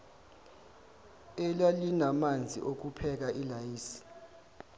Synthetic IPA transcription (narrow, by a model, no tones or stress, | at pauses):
elalinamand͡zʱḭʔok̬upʰɛk̬aʔilajiːsi̥